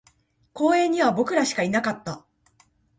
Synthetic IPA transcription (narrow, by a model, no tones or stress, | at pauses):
ko̞ːẽ̞ɲ̟ːiβabo̞kɯ̟ɾaɕi̥kainakat̪ːa